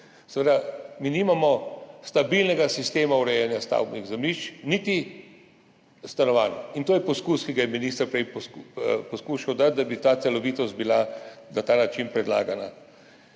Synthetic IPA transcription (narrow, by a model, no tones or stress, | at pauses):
sɛʋed̪aminiːmamɔst̪abilnɛɡasist̪eːmauɾɛjɛnjast̪a̰wbniɣzɛmnit͡ʃnit̪i | st̪anɔʋaːnint̪oːjɛpɔskuskiɡajɛminist̪əɾpɾɛj | pɔskuʃawd̪at̪̚d̪abit̪at̪sɛlɔʋiːt̪ɔst̪̚bilanat̪aːnat͡ʃinpɾɛd̪la̰ːɡana